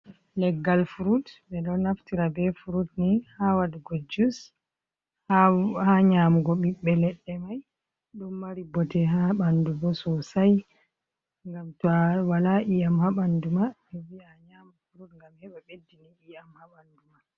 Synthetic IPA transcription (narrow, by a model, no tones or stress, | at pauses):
lɛɡːalfuɾutbɛɗɔnaftiɾabɛfuɾutnihawadɡod͡ʒus | hhaɲaːmuɡɔɓiɓːɛlɛɗːɛmaj | ɗumːaɾibɔtɛɦaɓandubɔsɔsaj | ŋɡamtɔwalaʔijamhaɓanduma | ɛviaɲamufuɾutŋɡamhɛɓaɓedːiniʔijamhaɓanduma